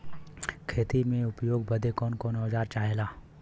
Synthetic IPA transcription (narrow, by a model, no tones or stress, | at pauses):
kʰeːt̪imẽʊpjoːɡbəd̪ʱekɔːnkɔːnɔːd͡ʒaːɾt͡ʃaːɦelaː